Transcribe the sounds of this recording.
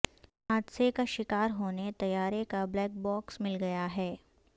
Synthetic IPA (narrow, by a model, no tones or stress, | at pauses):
ɦaːd̪sekaʃɪkaːɾɦoːnet̪ɐjaːɾekablɛːk̚bɔːksmɪlɡɐjaɦɛː